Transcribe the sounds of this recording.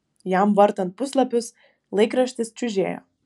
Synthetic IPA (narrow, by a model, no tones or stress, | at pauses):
jæmʋɐɾt̪ɐnt̪̚pʊslˠɐpʲʊs | lˠɐɪkɾɐʃʲt̪ʲɪst͡ʃʲʊʒʲeːjo̰ː